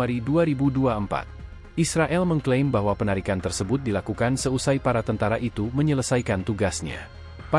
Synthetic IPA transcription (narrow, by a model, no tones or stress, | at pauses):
aɾiduaɾibuduaəmpa̰t̪̚ | ʔisɾaʔɛlməŋklembaɦwapənaɾikant̪ərsəbʊt̪̚dilakukansəusajpaɾat̪ənt̪aɾaʔit̪uməɲələsajkant̪uɡasɲa̰ | pa